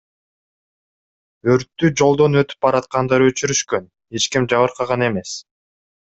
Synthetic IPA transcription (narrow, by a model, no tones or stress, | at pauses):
øɾt̪ːyd͡ʒo̞lˠd̪o̞nø̞t̪y̥p̚bɑɾɑt̪̚qɑnd̪ɑɾø̞t͡ʃyɾyʃkø̞n | e̞t͡ʃkimd͡ʒɑβɯɾqʰɑʁɑne̞me̞s